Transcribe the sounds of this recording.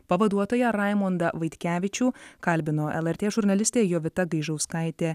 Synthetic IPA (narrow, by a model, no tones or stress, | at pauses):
pɐʋɐd̪uɔt̪oːjɛɾɑˑɪmond̪ɐʋɐɪt̪ʲkʲæːʋʲɪt͡ʃʲuːkɐlʲbʲɪnoːʔɛ̰lˠɛɾʲt̪ʲeːʒʊɾnɐlʲɪsʲt̪ʲeːjoːʋʲɪt̪ɐɡɐɪʒɐʊskɐɪt̪ʲeː